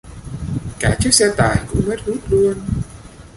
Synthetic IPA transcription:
kaː˧˩t͡ɕɨ˦˥ək̚sɛ˧t̪aː˧˩jkʊ̰˧˥ŋŋ͡mmə˦˥t̚zu˦˥t̚lu˧ən

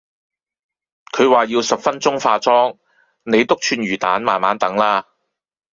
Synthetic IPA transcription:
kʰɵ˨˧ɥwaː˨jiː˧wsɐ˨pfɐ˥nt͡sʊ˥ŋfaː˧t͡sɔː˥ŋ | ne˨˧jt̪ʊ˥k̚t͡ʃʰyː˧nɥyː˨˩t̪a̰ː˨˥nmaː˨˩nmaː˨˥nt̪ɐ˨˥ŋlaː˥

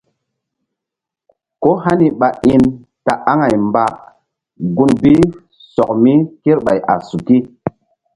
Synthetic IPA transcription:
ko˦ha˦ni˨ɓa˨ʔi˦n | ta˨a˦ŋa˨jmba˨ | ɡu˧nbi˦ | sɔ˨k̚mi˦ki˦ɾɓa˨jʔa̰˨su˨ki˦

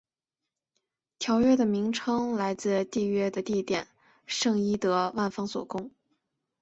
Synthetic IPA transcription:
t̪ʰjɑ˧˥ʊɥɛ˥d̪ə˨mi˧˥ŋʈ͡ʂʰɤ˥ŋla˧˥ɪt͡sɹ̩˥˧t̪i˥˧ɥɛ˥d̪ə˨t̪i˥˩t̪jɛ̰˨˩˦n | ʂɤ˥˧ŋi˥t̪ɤ˧˥wa˥˩nfɑ˥ŋswɔ̰˨˩kʊ˥ŋ

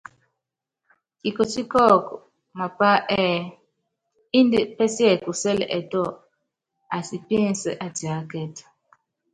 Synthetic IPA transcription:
ki˨ko˨t͡ʃi˦kɔ˦kɔ˨ | ma˨pa˦ʔɛ˦˨ | i˦ndi˦pɛ˦sjɛ˦˨ku˨sɛ˦lɛ̰˨ʔɛ˨tɔ˦˨ | a˨si˨pjɛ˦˨n˨sɛ̰˨ʔa˨ti˨a˨˦kɛ˦t

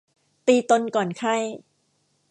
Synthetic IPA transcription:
t̪iː˧t̪o˧nkɔː˨˩nkʰa˥˩j

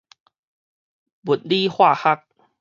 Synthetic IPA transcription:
bu˨˩t̚li˦hwa˥˧˨ha˦˥k̚

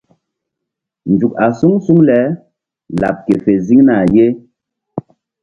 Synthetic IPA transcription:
n̩˨d͡ʒu˨ka˨su˦ŋsu˦ŋlɛ˨˦ | la̰˨p̚ke˨fe˨zi˦ŋna˨je˦

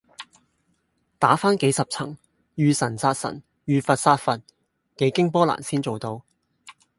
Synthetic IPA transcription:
t̪aː˨˥faː˥nke˨˥jsɐ˨p̚t͡sʰɐ̰˨˩ŋ | jyː˨˧sɐ˨˩nsaː˧t̚sɐ̰˨˩n | jyː˨˧fɐ˨t̚saː˧t̚fɐ˨t̚ | ke˨˥jkɪ˥ŋpɔː˥la̰ː˨˩nsiː˥nt͡so˨wt̪o˧w

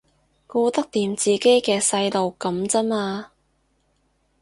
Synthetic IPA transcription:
kuː˧t̪ɐ˥k̚t̪iː˨˩mt͡siː˨ke˥jkɛː˧sɐ˧jlo˨wkɐ˨˧˥mt͡sɐ˥naː˧

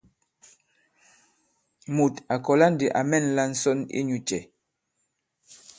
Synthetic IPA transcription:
mu˨ta˨kɔ˨la˦n˦di˨ʔa̰˨mɛ˦˨nla˦n̩˦sɔ˦nḭ˦ɲu˨t͡ʃɛ˨

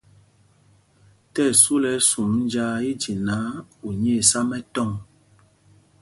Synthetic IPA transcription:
tɛ˦˨su˦lɛ˨˦su˨mn˦d͡ʒa˦i˦d͡ʒi˨na˨˦u˨ɲe˦˨sa˦mɛ˦tɔ˦˨ŋ

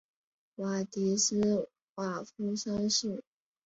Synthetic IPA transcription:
wa˨˩t̪i˧˥s̩˥ | wa˨˩fu˥sa˥nʂɻ̩˥˩

